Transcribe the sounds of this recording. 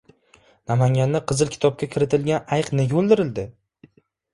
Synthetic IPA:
namaŋɡʲanːɪqʰɨzɨlˠkʲʰɪ̥t̪ʰɒp̚kʲakʲʰɪɾɪt̪ʰɪlɡʲanajqnɪɡʲaolˠd̪ɪɾɪld̪ɪ

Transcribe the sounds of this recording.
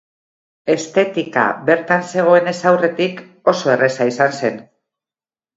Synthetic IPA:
e̞st̪e̞t̪ika̰be̞ɾt̪anse̞ɣ̞o̞e̞ne̞sawre̞t̪ik | o̞so̞e̞re̞saisanse̞n

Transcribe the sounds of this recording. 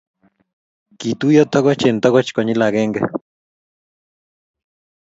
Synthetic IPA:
kit̪ujot̪ʰoɣot͡ʃent̪okot͡ʃkoɲilaɡeŋɡḛ

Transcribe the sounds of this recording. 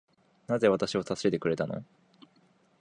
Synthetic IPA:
naze̞βat̪aɕiβosasɨ̥e̞t̪e̞kɯ̟ɾe̞t̪ano̞̰

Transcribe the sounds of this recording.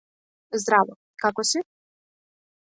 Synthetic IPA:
zd̪ɾavɔ | kakɔsi

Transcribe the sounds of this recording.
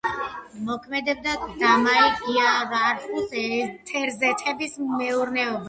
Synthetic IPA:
mɔkʰmɛd̪ɛb̚d̪ad̪amaiɡiaɾaɾχust̪ʰɛɾzɛt̪ʰɛbismɛuɾnɛɔba

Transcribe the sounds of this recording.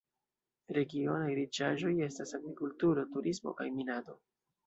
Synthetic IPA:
ɾe̞ɡio̞najɾit͡ʃaʒo̞je̞stasaɡɾikultuɾo̞tuɾʔismo̰kajminado̞

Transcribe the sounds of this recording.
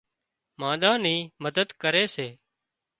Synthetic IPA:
mãːd̪ãːniːməd̪əd̪kəɾeːseː

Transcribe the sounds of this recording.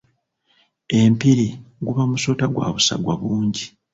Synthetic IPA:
e̞mpiɾiɡuβamuso̞ːtaɡwa̰ːβusa̰ɡwa̰βuːɲɟi

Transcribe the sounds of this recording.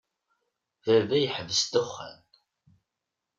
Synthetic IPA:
vævæjəħvəst̪ʊχːæ̰n

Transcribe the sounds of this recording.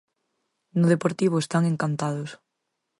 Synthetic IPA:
nʊð̞epoɾt̪iβ̞ʊest̪aŋeŋkant̪að̞ʊs

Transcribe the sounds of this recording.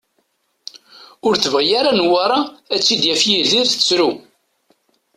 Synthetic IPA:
ʊɾθvæjaɾanwaɾˤɑæt͡sːid̪jæfjiðiɾθə̥t͡sɾu

